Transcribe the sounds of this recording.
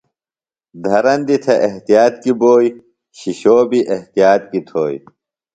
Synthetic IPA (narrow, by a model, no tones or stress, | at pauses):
d̪ʱɐɾɐnd̪it̪ʰɐʔeɦt̪ijaːt̪kiboːj | ɕiɕoːbiʔeht̪ijaːt̪̚kit̪ʰoːj